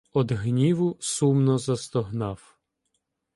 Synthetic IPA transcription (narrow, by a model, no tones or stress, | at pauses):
ɔd̪ɦnʲiʋʊsumnɔzɐst̪ɔɦnɑw